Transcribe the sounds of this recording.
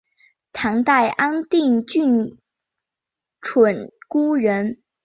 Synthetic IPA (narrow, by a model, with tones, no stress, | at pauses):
t̪ʰɑ˧˥ŋt̪a˥˩ɪʔa˥ŋt̪i˥˧ŋt͡ɕy˥˩n | ʈ͡ʂʰwə˨˩nku˥ɻə˧˥n